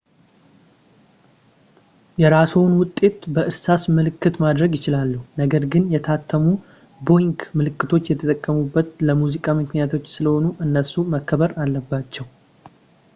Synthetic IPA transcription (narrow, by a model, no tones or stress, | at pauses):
jɛɾasuwnwʊt̪ʼːe̞t̪bəʔɨsasmɨlɨkːɨt̪mad̪ɾəɡjɪt͡ʃɪlalːuhnəɡəɾɡɨnjɛt̪ʰat̪ʰːəmu | bo̞jŋkmɨlɨkːɨt̪ʰo̞t͡ʃːjɛt̪ʰət̪ʼəkʼːəmubːət̪ləmuzikʼamɨknijat̪ʰo̞t͡ʃːsɨləho̞nuʔɨnːəsuməkːəβəɾalːəbːat͡ʃːɛw